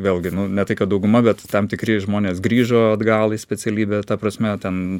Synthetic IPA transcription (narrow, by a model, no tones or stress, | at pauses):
ʋʲeːlʲˠɡʲɪnʊnʲɛt̪ɐɪkɐt̪d̪ɐʊɡʊmɐbʲɛt̪t̪ɐmt̪ʲɪkɾʲiɛʒmoːnʲeːsɡɾʲiːʒoːɐd̪ɡɑːlˠɪsʲpʲɛt͡s̪ʲɛlʲiːbʲeːt̪ɐpɾɐsʲmʲɛt̪ʲɛn